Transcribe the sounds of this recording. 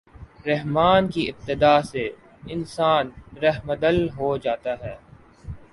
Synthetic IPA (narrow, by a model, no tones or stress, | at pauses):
ɾɛɦmaːnkiɪb̚t̪ɪd̪aːse | ɪnsaːnɾɐɦməd̪əlɦod͡ʒaːt̪aɦɛː